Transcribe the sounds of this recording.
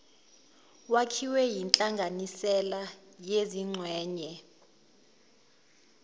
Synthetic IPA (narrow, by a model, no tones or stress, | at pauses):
wakʰiwɛjint͡ɬʼaŋɡʱanisɛla | jeziŋ͡ǀʱwɛːɲɛ